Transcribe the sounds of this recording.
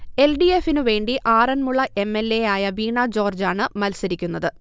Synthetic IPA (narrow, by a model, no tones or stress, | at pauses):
e̞lɖiefinɨʋe̞ːɳɖiʔaːrɐnmuɭːɐʔe̞mːe̞lːe̞jaːjɐʋiːɳɐd͡ʑo̞ːrd͡ʑaːɳɨmɐlsɐɾikʲːunːɐðɨ